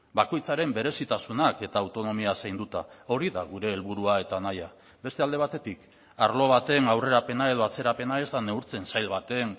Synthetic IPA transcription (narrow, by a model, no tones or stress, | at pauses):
bako̞jt͡saɾe̞mbe̞ɾe̞sit̪asunake̞t̪aːwt̪o̞no̞miasajnd̪ut̪ao̞ɾiðaɣuɾe̞ːlβuɾuae̞t̪anaja | be̞st̪eald̪e̞β̞at̪e̞t̪ik | aɾlo̞β̞at̪e̞nawre̞ɾape̞nae̞ð̞o̞at͡se̞ɾape̞nae̞zt̪ane̞uɾt͡se̞nsajlβat̪e̞n